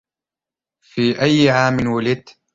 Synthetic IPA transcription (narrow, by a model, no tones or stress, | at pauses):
fiːʔajːɪʕaːmɪnwalɪt̪